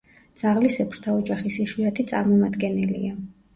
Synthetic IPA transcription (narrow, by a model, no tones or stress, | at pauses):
d̪z̥aʁlisɛpʰɾt̪ʰaɔd͡ʒaχisiʃwiat̪ʰit̪sʼa̰ɾmɔmad̪ɡɛnilḭa